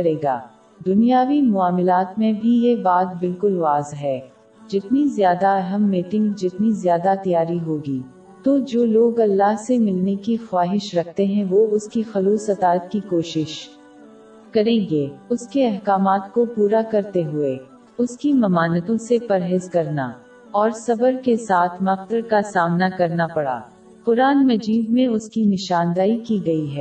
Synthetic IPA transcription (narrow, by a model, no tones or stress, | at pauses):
ɐɾeːɡa̰ː | d̪ʊnijaːʋimʊaːmɪlaːt̪mẽbʱijebaːt̪̚bɪlkʊlʋaːzɦɛː | d͡ʒɪt̪nizjaːd̪aɐɦəmːiːʈɪ̃ŋɡd͡ʒɪt̪nizjaːd̪at̪ijaːɾiɦoːɡiː | t̪od͡ʒoːloːɡɐlːaɦsemɪlnekixwaːɦɪʃɾɐkʰt̪eɦɛ̃ʋoʊskixɐluːsɐt̪aːət̪kikoːʃɪʃ | kɐɾẽːɡeʊskeɛɦkaːmaːt̪kopuːɾakɐɾt̪eɦʊe | ʊskimɐmaːnət̪õsepɐɾɦeːzkɐɾna | ɔːɾsɐbəɾkesaːt̪ʰmɐxt̪əɾkasaːmnakɐɾnapɐɽa̰ː | pʊɾaːnmɐd͡ʒiːd̪mẽʊskinɪʃaːnd̪aːikiɡɐiɦɛː